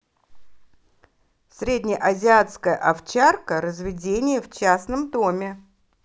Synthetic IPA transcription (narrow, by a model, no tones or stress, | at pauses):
sʲɾʲedʲnʲɪjəʔɐzʲɪat̪skəjə̰ʔɐft͡ɕarkəɾəzvʲɪdʲenʲɪjəft͡ɕasnəmd̪o̞mʲɪ